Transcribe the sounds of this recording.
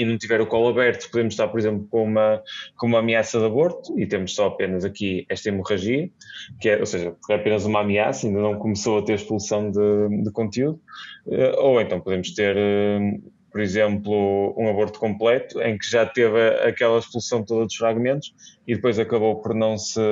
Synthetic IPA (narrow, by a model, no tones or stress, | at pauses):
inɐ̃w̃t̪ivɛɾukɔlˠɐβɛɾt̪u̥puðemʊʃt̪aɾpɔɾizẽmplˠukõumɐkõumamiasɐðɐβoɾt̪u̥it̪emʊʃsɔɐpenɐzɐkiɛʃt̪ɐimuʁɐʒiɐ | kɛʔo̰seʒɐpuɾkɛɐpenɐzumamiasɐĩnd̪ɐnɐ̃w̃kumɨsowɐt̪eɾɐʃpulˠsɐ̃w̃d̪ɨd̪ɨkõnt̪juðuɛ̰ʔoẽnt̪ɐ̃w̃puðẽmʊʃt̪eɾɛ | pɔɾizẽmplˠuũɐβoɾt̪u̥kõmplˠɛt̪u̥ḛ̃j̃kɨʒat̪evɐɐ̰kɛlˠɐʃpulˠusɐ̃w̪̃t̪oðɐðuʃfɾaɣmẽnt̪u̥ʃiðɨpojzɐkɐβowpɔɾnɐ̃w̃sɨ